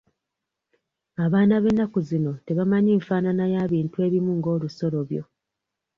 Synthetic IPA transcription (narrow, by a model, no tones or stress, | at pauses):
aβaːnaβe̞nːakuzino̞te̞βamaɲiːɱfaːnanajaːβiːntue̞ːβimuŋɡo̞ːluso̞lo̞βjo̞̰